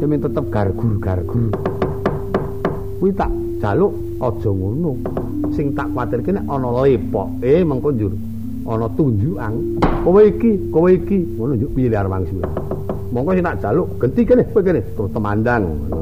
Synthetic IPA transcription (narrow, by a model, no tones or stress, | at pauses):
əmɪŋt̪ət̪əp̚ɡ̥arɡ̥urɡ̥arɡ̥ur | kuit̪a̰ʔd̥ʒ̥alʊʔ | ɔd̥ʒ̥ɔ̤ŋunu | sɪŋt̪aʔkwat̪ɪrkeneʔɔnɔlepɔ̰ʔemɔŋkɔnd͡ʒuɾ | ʔɔnɔt̪uɲd͡ʒuʔan | koweikikoweikiŋunund͡ʒʊʔpiliarwa̰ŋsiwḛ | mɔŋkɔsiŋt̪aʔdʒ̥alʊʔɡ̥ənt̪ikenehekenet̪t̪əmandaŋ